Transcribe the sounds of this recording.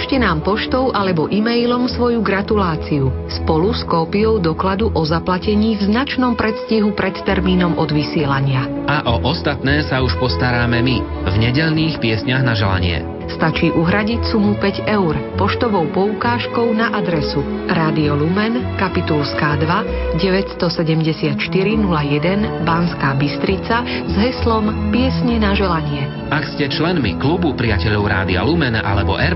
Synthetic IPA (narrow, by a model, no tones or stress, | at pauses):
ʃcɛnaːmpɔʃt̪ɔʊʔalɛbɔʔimɛjlɔmsʋɔjuɡɾat̪ulaːt͡siuspɔluskɔːpijɔʊd̪ɔklad̪uʔɔzaplacɛɲiːvznat͡ʃnɔmpɾɛt̪sciɦupɾɛt̪ːɛɾmiːnɔmɔd̪ʋisɪɛlaɲɪa | aʔɔʔɔst̪at̪nɛːsauʃpɔst̪aɾaːmɛmi | vɲɛɟɛʎniːxpɪɛsɲaɣnaʒɛla̰ɲɪɛ̰ | st̪at͡ʃiːʔuɦɾaɟicsumupɛɟɛʊɾpɔʃt̪ɔʋɔʊpɔukaːʃkɔʊnaʔad̪ɾɛsu | ɾaːd̪iɔlumɛnkapit̪ulskaːd̪ʋa | ɟɛʋɛcst̪ɔsɛɟɛmɟɛsɪat̪ʃt̪iɾinulajɛd̪ɛnbanskaːbist̪ɾit͡sa | zɦɛslɔmpɪɛsɲɛnaʒɛlaɲɪɛ | ʔakscɛt͡ʃlɛnmḭklubupɾiɪacɛʎɔʊɾa̰ːd̪ia̰lumɛnʔa̰lɛbɔ̰ʔɛɾ